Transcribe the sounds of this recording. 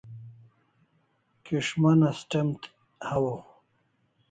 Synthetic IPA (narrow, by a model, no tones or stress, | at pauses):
kiʂmanasʈemt̪ | hawo